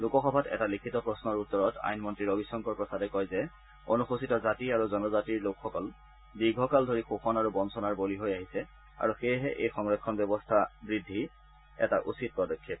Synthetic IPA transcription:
lukɔxɔbʱatɛ̰talikʰitɔpɹɔsnɔɹutːɔɹɔta̰jnmɔntɹiɹobisɔŋkɔɹpɹɔsadɛkɔjzɛ | onuxusitɔzatiaɹuzɔnɔzatiɹlokxɔkɔl | biɡʱɔkaldʱoɹixoxɔnaɹubɔnsɔnaɹboliɦojaɦisɛ | a̰ɹuxejɦɛʔejxɔŋɹɔkʰːɔnbjɔbɔstʰabɹidʱːi | ɛ̰taʔṵsit̚pɹɔdɔkʰːit̚

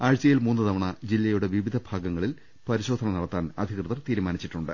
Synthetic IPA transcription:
aːɻt͡ɕːɐjilmuːnːɨt̪ɐʋɐɳɐd͡ʑilːɐjuɽe̞ʋiʋid̪ʱɐbʱaːɡɐŋːɐɭil | pɐɾiɕo̞ːd̪ʱɐnɐnɐɽɐt̪ːaːnɐd̪ʱikrɨðɐrt̪iːɾumaːnit͡ɕːiʈːuɳɖɨ

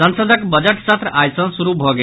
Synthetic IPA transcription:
ənsəd̪ʱɔkbəd͡ʒeʈsat̪ɾajsɔ̃suɾubʱɔɡe

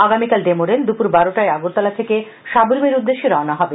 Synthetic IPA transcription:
aɡamikalɖemoɾend̪upuɾbaɾoʈaeaɡuɾt̪alat̪ʰeke | ʃaboɾmeɾud̪ːeʃːeɾɔanaɦɔbe

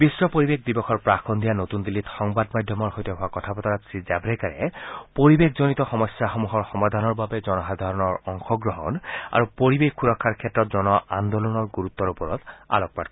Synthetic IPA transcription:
bisɹɔpoɹibek̚d̪ibɔxʰɔɹpɹakʰɔnd̪ijanot̪und̪ilːitxɔŋbadmajdʱjɔmɔɹxojtɔɦoakɔtʰapɔtaɹatsizabɹɛkaɹɛ̰poɹibekʰzonit̪ɔxɔmɔsjaxɔmuɦɔɹxɔmad̪ʱanɔɹbabɛzɔnɔxad̪ʱaɹɔnɔɹɔŋxɔɡɹɔɦɔ̰na̰ɹupoɹibexkːuɹɔkʰːaɹkʰɛtːɹɔt̪zɔnɔʔa̰nd̪ɔlɔnɔɹɡuɹut̪ːɔɹupɔɹɔt̪a̰lɔk̚patk

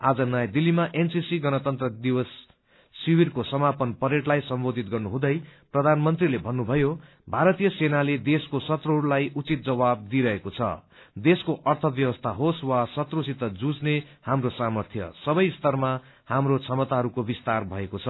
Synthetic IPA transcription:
ad͡zʌnʌjd̪ilːimaʔensisiɡʌnʌt̪ʌnt̪rʌd̪iwʌsː | ibirkosʌmapʌnpʌɾeʈlajsʌmbod̪ʱit̪ɡʌrnuɦũd̪ʌjprʌd̪ʱanmʌnt̪rilebʱʌnːubʱʌjo | bʱaɾʌt̪ijʌsenaled̪eskosʌt̪rʌɦuɽlajʔut͡sit̪̚d͡zʌwab̚d̪iɾʌɦekot͡sʰʌ̰ | d̪eskoʔʌrt̪ʰʌbjʌwʌst̪ʰaɦoswasʌt̪rusit̪ʌd͡zud͡zne | hamrosamʌrt̪ʰjʌ̰sʌbʌjst̪ʌrma | hamrot͡sʰʌmʌt̪aɦʌɾukobist̪arbʱʌekot͡sʰʌ

